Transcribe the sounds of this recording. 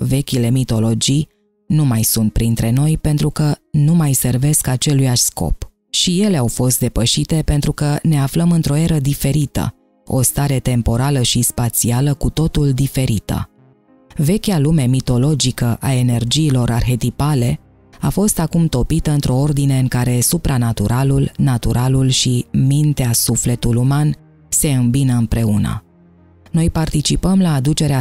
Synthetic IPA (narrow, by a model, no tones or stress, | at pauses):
ve̞kʲile̞mit̪o̞lo̞d͡ʒij | numajsunt̪̚pɾint̪ɾe̞no̞jpe̞nt̪ɾukənumajse̞rve̞skat͡ʃe̞lujaʃsko̞̰p | ʃije̞le̞awfo̞st̪̚d̪e̞pəʃit̪e̞pe̞nt̪ɾukəne̞afləmɨnt̪ɾo̞e̞ɾəd̪ife̞ɾit̪ə̰ | o̞̰st̪aɾe̞t̪e̞mpo̞ɾaləʃispat̪sialəkut̪o̞t̪uld̪ife̞ɾit̪ə̰ | ve̞kʲalume̞mit̪o̞lo̞d͡ʒikəʔae̞ne̞rd͡ʒiːlo̞ɾarxe̞t̪ipale̞ | afo̞st̪akumt̪o̞pit̪əɨnt̪ɾo̞o̞rd̪ine̞ɨŋkaɾe̞supɾanat̪uɾʔalulnat̪uɾʔalulʃimint̪easufle̞t̪uluman | se̞ɨmbinəɨnpɾe̞unə̰ | no̞jpart̪it͡ʃipəmlaːd̪ut͡ʃe̞ɾea